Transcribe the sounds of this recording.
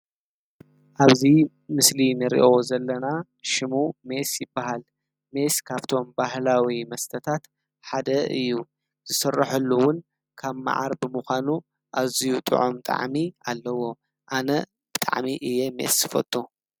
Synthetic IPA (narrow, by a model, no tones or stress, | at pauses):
ʔaβzi | mɨslinɨɾḭʔo̞zɐlːɐna | ʃɪmume̞sjɪbːaɦal | me̞skʰaβt̪ʰo̞mbahlawimɐst̪ʰɐt̪ʰat̪ | ħad̪ɐʔɨjːu | z̥ɨsɨrːɐħɐlːuwʊn | kʰaβma̰ʕa̰ɾbɨmuxʷanu | ʔaβzijut̪ʼɨ̰ʕomt̪ʼa̰ʕmialːɐwo̞ | ʔanɐ | b̥ɨt̪ʼa̰ʕmiʔɨjːemḛsːɨfɐ̰t̪ʼu